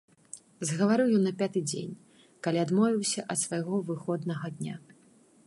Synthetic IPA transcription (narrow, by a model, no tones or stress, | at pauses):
zɣɐvaɾɨwjɔnːɐpʲat̪ɨd͡zʲḛnʲ | kalʲiad̪mɔvʲiwsʲɐʔɐt̪svajɣɔvɨxɔd̪nɐɣɐd̪ʲnʲa